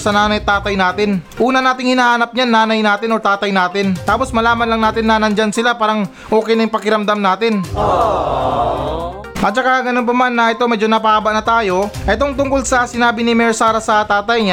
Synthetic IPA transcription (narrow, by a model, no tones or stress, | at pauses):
sɐnaːnɐjt̪aːt̪ɐjnaːt̪ɪnʔuːnɐnaːt̪ɪŋhɪnaːhanɐp̚ɲanːaːnɐjnaːt̪ɪnot̪aːt̪ɐjnaːt̪ɪnt̪aːpo̞smɐlaːmɐnlɐŋnaːt̪ɪnːanɐnd͡ʒansɪlapaːɾɐŋ | ʔo̞ːkɛjnɐjŋpɐkɪɾɐmd̪amnaːt̪ɪn | ʔɐt͡ʃɐkaɡɐno̞np̬ɐmanːɐʔɛt̪o̞mɛd͡ʒonɐp̬ɐʔaːbɐʔnɐt̪aːjo̞ʔɛt̪o̞ŋt̪ʊŋkolsɐsɪnaːbɪnɪmɛɹsaːɾasɐt̪aːt̪ɐjɲa